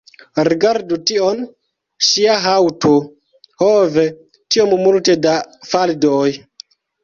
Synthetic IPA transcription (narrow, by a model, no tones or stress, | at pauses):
ɾiɡaɾdution | ʃiaɦawto | hove | tiommultedafaldoj